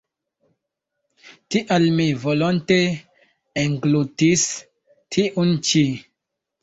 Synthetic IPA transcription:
tiʔalmivolonte | eŋɡlutis | tʰiʔunt͡ʃi

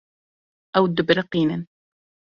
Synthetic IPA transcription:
ʔawd̪ʊbɾɪqiːnan

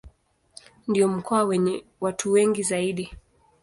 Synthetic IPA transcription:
ndiɔm̩kʰɔawɛɲɛwatʰuwɛŋɡizaiɗi

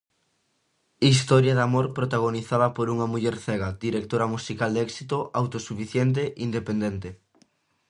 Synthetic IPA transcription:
is̬t̪ɔɾjaðamoɾpɾot̪aɣ̞oniθaðɐpoɾuŋɐmuʎɛɾθɛɣad̪iɾek̚t̪oɾɐmusikald̪ɛksit̪oʔawt̪osufiθjɛnt̪̬eʔind̪epend̪ɛnt̪e

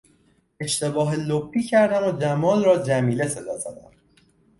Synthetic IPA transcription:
e̞ʃt̪e̞bɒːɦelobːiːcʰæɾd̪æmod͡ʒæmɒːlrɒːd͡ʒæmiːle̞se̞d̪ɒ̰ːzæd̪æ̰m

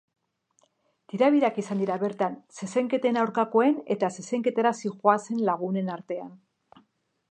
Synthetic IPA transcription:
t̪iɾaβ̞iɾakisand̪iɾaβe̞ɾt̪anse̞se̞ŋke̞t̪e̞nawɾkako̞e̞ne̞t̪ase̞se̞ŋke̞t̪eɾasixoase̞nlaɣ̞une̞naɾt̪e̞an

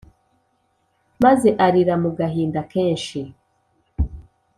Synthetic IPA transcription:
maze̞ʔaɾiɾamuɡaɦiːndake̞ːnʃi

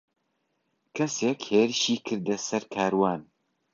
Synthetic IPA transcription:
kʰɛsekheːɾɨʃiːkʰɨɾd̪ɛsɐɾkʰaːɾwaːn

